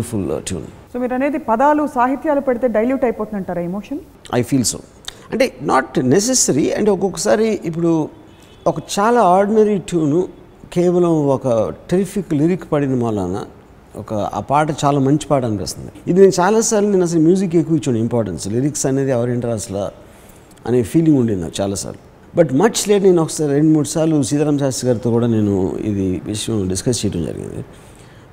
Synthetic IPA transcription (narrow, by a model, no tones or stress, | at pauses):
fulʈjṵːnsoːmiːɾɐne̞ːd̪ipɐd̪aːlusaːɦit̪jaːlupeɽit̪e̞ːɖɐjljuːʈɐjpoːt̪und̪ɐɳʈaːɾaemoːʂɐn | ɐ̰jpʰiːlso̰ː | ɐ̰ɳʈe̞ːnaːʈnes̬esɐɾiɐ̰ɳʈeɔkɔkːɐsaːɾiip̬ːuɽu | ɔkɐt͡ʃaːlaːaːɾɖinɐɾiʈjuːnu | kɛːʋɐlɐmɔkɐʈɾipʰikliɾikspɐɽinɐmalːa̰ːna̰ | ɔ̰kɐ̰paːʈɐt͡ʃaːlaːmɐɲt͡ʃi̥paːʈɐnipḛːst̪ɐnd̪iid̪ine̞ːnut͡ʃaːlaːsaːɾluneːnɐs̬ɐɾumjuːzik̬ekːuit͡ʃːuɳimpaːɾʈɐ̰ɳsliɾiksɐne̞ːd̪iaːɾieɳʈɐɾɐsla̰ | ɐ̰ne̞ːpʰiːliŋɡuɳɖinːa̰ːɾut͡ʃaːlaːsa̰ːɾlu | bɐʈmɐt͡ʃleːʈɐne̞ːnɔkːɐ̥saːɾiɾeɳɖmuːʈsaːlusiːd̪aːɾɐmɐs̬aːst̪iɡaːɾt̪oːkuːɽaːne̞ːnṵḭd̪iʋiʂɐjɐ̃mɖiskɐst͡ʃejɐʈɐmd͡ʒɐ̰ɾḭɡḭnd̪ḭ